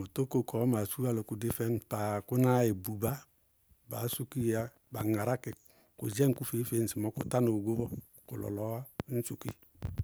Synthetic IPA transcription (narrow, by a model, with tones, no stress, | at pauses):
o˨to˦ko˦˨kʰɔ˨˦ma˨su˦a˦˨lo˨ku˨de˦fɛ˦n˦ta˨kʊ˦na˦je˨bu˨ba˦ | ba˨˦su˦ki˦a˦ | ba˨ŋa˨ɾa˦kɪ˨ | kṵ˨d͡ʒɛ˦ŋ̩˦ku˦fe˨˦fe˨˦n̩˨si˨mɔ˨˦kʊ̰˨ta˦no˨ɡo˦bɔ˦ | kʊ˨lɔ̰˨lɔ˨˦a˦n̩˦su˨ki˦